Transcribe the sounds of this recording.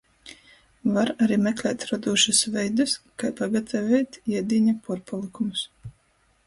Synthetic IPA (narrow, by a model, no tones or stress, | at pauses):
vaɾaɾiːmɛklʲɛːt̪ɾɔd̪uːʃɨsvɛjd̪ɨskajpaɡat̪ʰavʲɛjt̪iɛd̪iːɲapuɾpalˠikumus